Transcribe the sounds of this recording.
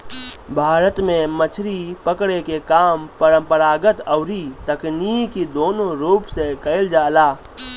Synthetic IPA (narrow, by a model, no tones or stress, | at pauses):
bʱaːɾət̪mẽmət͡ʃʰɾipəkɽekekaːmpəɾə̃mpəɾaːɡət̪əʊɾit̪əkniːkid̪oːnõɾuːpsekəɪld͡ʒaːlaː